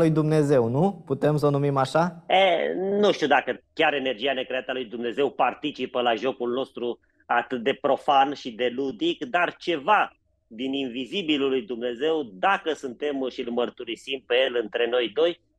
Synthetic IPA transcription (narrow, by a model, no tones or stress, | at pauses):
lujd̪umne̞ze̞wnuput̪e̞ms̬əonumimaʃaenuʃt̪iud̪akəkʲaɾe̞ne̞rd͡ʒiane̞kɾeat̪əalujd̪umne̞ze̞wpart̪it͡ʃipəlaʒo̞kulno̞st̪ɾu | at̪ɨt̪̚d̪e̞pɾo̞fanʃid̪e̞lud̪ikd̪art͡ʃe̞va | d̪ininvizibillujd̪umne̞ze̞wd̪akəsɨnt̪e̞mʃilmərt̪uɾisimpe̞je̞lɨnt̪ɾe̞no̞jd̪o̞j